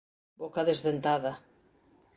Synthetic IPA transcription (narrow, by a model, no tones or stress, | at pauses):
bokaðezðent̪aða